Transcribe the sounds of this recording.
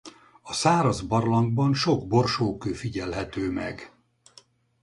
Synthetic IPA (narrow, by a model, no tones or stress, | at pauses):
ɒsaːɾɒzbɒrlɒŋɡbɒnʃo̞ɡbo̞rʃoːkøːfiɟɛlɦɛt̪øːmɛ̰ɡ